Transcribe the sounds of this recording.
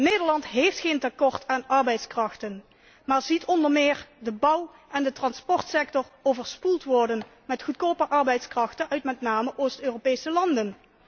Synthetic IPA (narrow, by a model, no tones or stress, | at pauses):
nejdəɹlɑntɦejftχejntakɔɹtaːnɑɹbɛjtskrɑxtən | maːɹzitɔndəɹmɪːɹdəbʌw | ʔɛndətrɑnspɔɹtsɛk̚tɔrowvəɹspulˠtʋɔɹdən | mɛtχutkoːpəʔɑɹbɛjtskrɑxtənœɥtmɛtnaːməʔowstøːropejsəlɑndən